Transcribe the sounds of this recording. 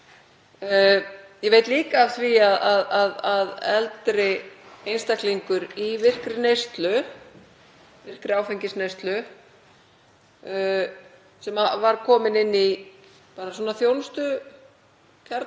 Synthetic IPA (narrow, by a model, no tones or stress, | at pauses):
jɛveːjt̪liːkaːfθviaðaðaðaðɛlt̪ɾɪejnst̪akliŋkʏɾivɪr̥kɾɪnejst̪lʏ | vɪr̥kɾɪaːwfejɲcɪsnejst̪lʏ | sɛmavaɾkʰɔːmɪnɪnːi | paːɾaswɔːnaθjownst̪ʏ | cʰaɾt̪